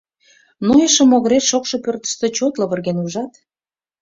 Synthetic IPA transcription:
nojəʃə̆moɣəɾet̪ʃokʃŏpørt̪ə̥ʃt̪ət͡ɕot̪lə̆βərɣenuʒɑt̪

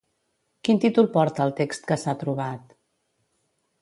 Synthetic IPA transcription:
kint̪it̪ulˠpɔɾt̪əːlˠt̪ekst̪kəsat̪ɾuβat̪

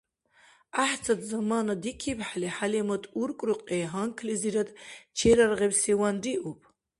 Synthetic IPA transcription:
aħt͡sʰatʰʼzamanadikʰibħaliħalimatʼurkʷʼrɨqʼeɦaŋkʰliziɾad̪t͡ʃʰeɾarʁebsiwandiʔupʼ

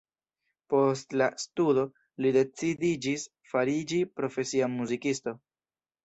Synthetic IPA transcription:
po̞stlastudo̞ | lide̞t͡sidid͡ʒis | faɾid͡ʒipɾo̞fe̞siamuzikisto̞

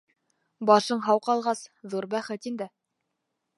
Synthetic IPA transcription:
bɑʃɤɴɦɑwqɑlˠʁɑsðuɾbæχɘt̪ind̪ɘ

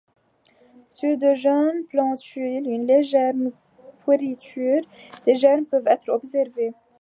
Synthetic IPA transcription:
sød̪øʒœnplɑ̃t̪ylynleʒɛɾm | pwəʁit̪yːɾd̪̥eʒɛɾmpøvɛt̪ɾɔbsɛʁve

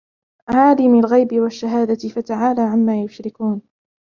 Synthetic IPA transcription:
ʕaːlɪmalɣajbɪwaʃːaɦaːd̪aɪfat̪aʕaːlaːʕamːaːjʊʃɾɪkuːn

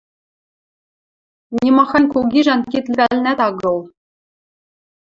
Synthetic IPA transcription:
nʲimɑxɑnʲkuɡʲiʒænkʲit̪lʲɘ̆vælʲnæt̪ɑɡɤ̆lˠ

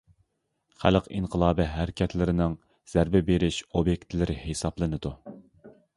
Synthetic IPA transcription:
χæ̰lqinqʰəlˠɑːbɨɦæɾɪkʲʰɛt̪lɪɾɪnɪŋ | z̥æɾbɪbeɾɪʃobjek̚ʲt̪lɪɾɪhesɑblˠɨnɨd̪u

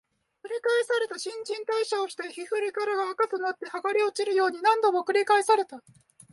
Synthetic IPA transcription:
kɯ̟ɾʲikaesaɾe̞t̪aɕĩɲ̟d͡ʑĩnt̪aiɕao̞ɕi̥t̪eçiɸɯ̟ɾʲikaɾaɡaakatɨnat̪ːe̞haɡaɾʲio̞t͡ɕiɾɯ̟jo̞ːɲ̟inãnd̪o̞mo̞kɯ̟ɾʲikaesaɾe̞t̪a

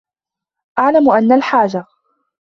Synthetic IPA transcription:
ʔaʕlamʔanːalħaːd͡ʒa

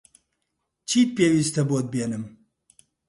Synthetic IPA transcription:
t͡ʃʰiːt̪̚peːwiːst̪ɛboːd̪̚beːnɨm

